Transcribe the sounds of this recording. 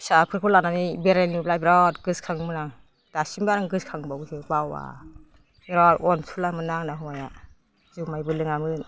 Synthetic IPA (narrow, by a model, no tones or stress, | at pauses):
sapʰɯɾkʰɔlananibeɾanibplajbiɾɔtɡ̥ɯskʰaŋmɯnaŋ | d̥asimbaɾaŋɡɯskʰaŋbawsʰɯbawa̰ | eɾɔtɔnsʰulamɯnaŋnaɦɔja | zumajbɯlɯŋamɯn